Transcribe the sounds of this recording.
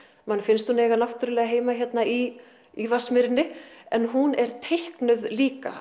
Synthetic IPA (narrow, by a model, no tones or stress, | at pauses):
manfɪnst̪hunɛːjɣanaft̪ʏɾʏlɛːɣaɦeːjmaçjɛt̪nai | ivasmɪɾɪnːɪɛnɦunɛɾt̪ʰehknʏðliːka̰